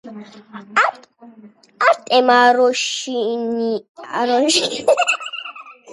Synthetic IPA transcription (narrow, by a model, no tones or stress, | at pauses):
aɾt̪ʼɛmaɾɔʃinia̰ɾɔnʃi